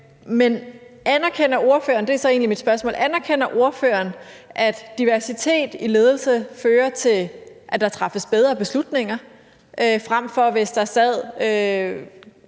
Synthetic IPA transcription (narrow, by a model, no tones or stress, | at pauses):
menænæɐkʰen̰ɐo̝ɐføɐnd̥e̝æsɒe̝ːnlimid̥sb̥ɶɐsmɔ̰ːlʔænæɐkʰen̰ɐʔo̝ɐfø̰ːɐnʔæd̥d̥iʋæɐsit͡sʰe̝̰ːd̥ile̝ːð̞ˠl̩səføːɐt͡sʰe̝lʔæd̥ɑ̈t͡sʰʁɑ̈fəsb̥eð̞ˠʁɐb̥e̝slud̥ne̝ŋɐ | ʔøfʁam̰fɒ̽ʋe̝sd̥ɑ̈sɛð̰ˠø